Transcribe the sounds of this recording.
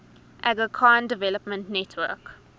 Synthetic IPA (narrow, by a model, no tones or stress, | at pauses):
ʔæɡəkʰãːndəvɛləpmə̃ntnɛtʰwə̰k